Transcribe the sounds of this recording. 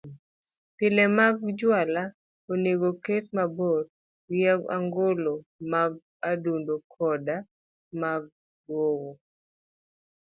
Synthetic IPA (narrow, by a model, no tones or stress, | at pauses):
pɪlɛmaɡ̚d͡ʒwala | oneɡoketmaboɾ | ɡjaɡa̰ŋɡolomaɡ̚ | adundokʰɔda | maɡ̚ | dwowo